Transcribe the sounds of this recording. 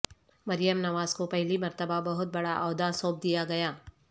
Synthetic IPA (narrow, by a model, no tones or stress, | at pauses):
mɐɾɪjəmnɐʋaːzkopɐɦlimɐɾt̪əbabɐɦʊt̪̚bɐɽaʔɔːd̪asõːp̚d̪ijaɡɐjaː